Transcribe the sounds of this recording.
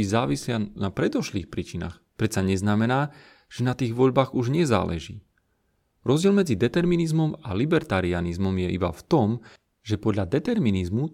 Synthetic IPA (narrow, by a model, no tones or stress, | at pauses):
izaːʋislɪanapɾɛd̪ɔʃliːxpɾiːt͡ʃina̰ːxpɾɛt̪saɲɛznamɛnaː | ʒ̥ɛnat̪iːɣʋɔʎbaːɣuʒɲɛza̰ːlʔɛ̰ʒḭː | ɾɔzɟɪɛlmɛd͡zid̪ɛt̪ɛɾminizmɔmalibɛɾt̪aɾianizmɔmjɛʔiba̰ft̪ɔm | ʒɛpɔd̪ʎad̪ɛt̪ɛɾminizmu